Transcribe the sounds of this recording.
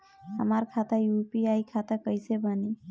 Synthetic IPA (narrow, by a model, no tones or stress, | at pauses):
ɦə̰maɾkʰat̪ajupiajkʰat̪akəjsebəni